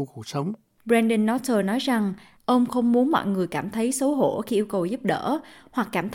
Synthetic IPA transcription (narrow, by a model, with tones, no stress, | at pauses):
u˧˩ku˨˧˩k̚sə˨˦wŋ͡m | ɓɾɛ˧nɗə˧nːɔ˦˥t̚t̪əː˨˩nɔ˨˦jza˨˩ŋ | ʔə˧wŋ͡mxə˧wŋ͡mmu˨˦ənmɔ̰˧˨jŋɨ˨˩əjkaː˧˩mt̪ʰə˨˦jsə˨˦wɦo̰˧˩xi˧ʔi˧əwkə˨˩wzu˦˥p̚ɗə̰ː˧˩˥hwa˨˩kːaː˧˩mt̪ʰ